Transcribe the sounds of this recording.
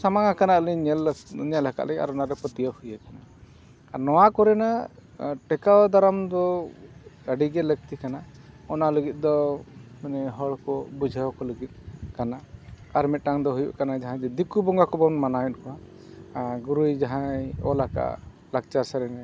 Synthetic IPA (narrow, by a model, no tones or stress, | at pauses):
samaŋakanaʔliɲɛlɲɛlaka̰ʔlɛɡa̰ɾɔnaɾɛpət̪ijəhujakana | anɔwakɔɾɛna | ʈɛkawd̪aɾamd̪ɔ | əɖiɡɛlək̚t̪ikanaɔnaləɡit̪̚ˀd̪ɔmanɛɦɔɭkɔbud͡ʒʱawkɔləɡit̪̚ˀkanaaɾmit̪̚ˀʈaŋd̪ɔɦujṵʔkanad͡ʒaɦãd͡ʒɛd̪ikubɔŋɡakɔbɔnmanajɔt̪̚kɔa | ɡuɾujd͡ʒaɦãɔ̰laka̰ʔ | lak̚t͡ʃasaɾɛnɛ